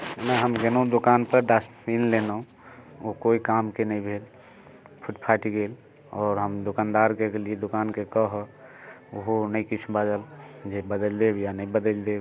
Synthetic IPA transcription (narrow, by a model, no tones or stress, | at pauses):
enaɦəmd͡ʒenod̪okanpəɾɖasʈpʰinlenũ | okoikamkenəĩbʱel | pʰuʈpʰaʈiɡel | ɔːɾɦəmd̪okand̪aɾkekelied̪okankekəɦə | oɦonəĩkit͡ʃʰubad͡ʒ̪əld͡ʒebəd̪əld̪ebjanəĩbəd̪əld̪eb